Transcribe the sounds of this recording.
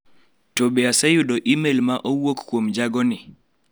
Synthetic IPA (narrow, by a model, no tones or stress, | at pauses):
tobeasɛjʊdɔʔimelmaʔowokkːwomd͡ʒaɡɔnɪ